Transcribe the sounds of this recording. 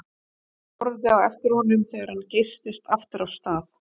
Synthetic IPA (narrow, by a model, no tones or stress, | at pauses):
ɔɾðɪawɛft̪ɪɾ̥hɔnʏmθɛɣaɾ̥hancejst̪ɪst̪aft̪ɪɾafst̪aːθ